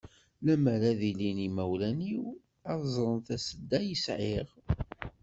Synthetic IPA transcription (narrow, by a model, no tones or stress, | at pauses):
læməɾæðilinimæwlæniw | ɑðzˤɾˤənθæsəd̪ːæjəsʕiʁ